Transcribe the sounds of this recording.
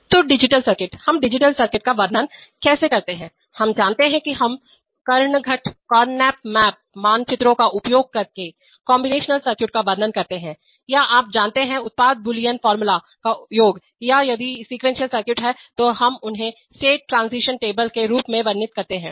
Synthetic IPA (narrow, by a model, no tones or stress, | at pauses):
t̪oɖɪd͡ʒɪʈəlsɐɾkɪʈhɐmɖɪd͡ʒɪʈəlsɐɾkɪʈ̚kaʋɐɾnənkɛːsekɐɾt̪eɦɛ̃ː | hɐmd͡ʒaːnt̪eɦɛ̃kiɦɐm | kɐɾɳɡʱɐʈkɔːɾnɛːpmɛːp̚maːnt͡ʃɪt̪ɾõkaʔʊpjoːɡ̚kɐɾke | kɔːmbɪneːʃnəlsɐɾkjɪʈ̚kaʋɐɾnənkɐɾt̪eɦɛ̃ | jaʔaːp̚d͡ʒãːnt̪eɦɛ̃ʊt̪̚paːd̪̚bʊlijənfɔːɾmʊla | kajoːɡ | jajɐd̪isiːkʋɛ̃ːnsijəlsɐɾkjʊʈɦɛt̪oɦɐmʊnɦẽ | sʈeːʈ̚ːɾãːnsiʃənʈeːbəlkeɾuːpmẽʋɐɾnɪt̪̚kɐɾt̪eɦɛ̃ː